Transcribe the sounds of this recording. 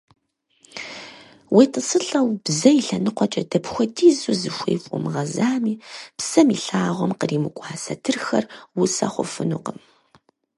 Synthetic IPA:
wʔeːtʰʼəsɨɬɐwb̥zɐjiɬɐnɨqʷɔt͡ʃʼɐdɐpxʷɔtʰiːzuzɨxʷḛjfʼʊmʁɐzaːmiːpsɐmḭɬaːʁʷɔmqəriːmɨkʷʼɑːsɐtʰɨrxɐrwʊsɐ̰χʷʊ̰fɨnṵqəm

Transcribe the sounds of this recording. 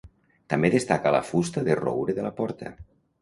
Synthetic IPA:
t̪ambeðest̪akala̰fust̪əðero̰wɾeðelapɔɾt̪ʰə̰

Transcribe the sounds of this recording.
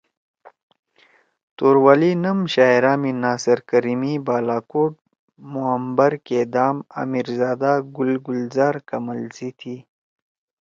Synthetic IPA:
t̪oːɾwalinɐmɕaːjɾaːminaːsɐɾkɐɾimibaːlaːkoːʈ̚ | muəmbɐɾked̪aːma̰miɾzaːd̪aɡʊlɡʊlzaːɾkɐmɐlziːt̪ʰiː

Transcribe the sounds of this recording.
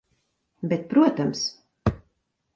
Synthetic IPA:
bɛt̪̚pɾuɔt̪ams

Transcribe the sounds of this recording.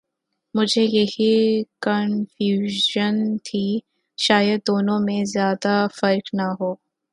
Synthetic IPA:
mʊd͡ʒʱejɐɦikɐnfjuːʒənt̪ʰiː | ʃaːjəd̪̚ːoːnõmẽzjaːd̪afɐɾknaɦoː

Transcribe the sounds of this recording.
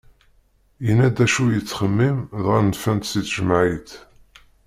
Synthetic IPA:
jənæd̪æʃujət͡sːχəmːimðʁænfænt̪siθʒəmʕiθ

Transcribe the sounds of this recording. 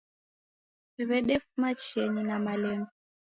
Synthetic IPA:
iβɛɗɛfumat͡ʃɛninamalɛmbɛ

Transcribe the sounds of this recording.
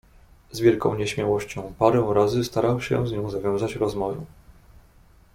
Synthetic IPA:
zvʲjɛlkɔ̃w̃ɲɛɕmʲjawɔɕt͡ɕɔ̃w̃paɾɔ̃w̃ɾazɘst̪aɾawɕɛ̰zɲɔ̃w̃zavʲjɔ̃w̃zat͡ɕɾɔzmɔvṵ

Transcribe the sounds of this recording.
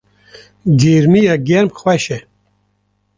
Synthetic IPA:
ɡeːɾmijaɡɛɾmxwɛʃɛ

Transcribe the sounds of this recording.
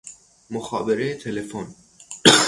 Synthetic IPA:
moxɒːbeɾejet̪ʰelefon

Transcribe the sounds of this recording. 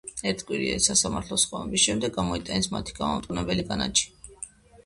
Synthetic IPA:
ɛɾt̪ʰkʼwiɾiɛ̰isasamaɾt̪ʰlɔsχɔnɛbisʃɛmd̪ɛɡamɔit̪ʼanismat̪ʰi̥ɡamamt̪ʼunɛbɛliɡʼana̰t͡ʃʰi̥

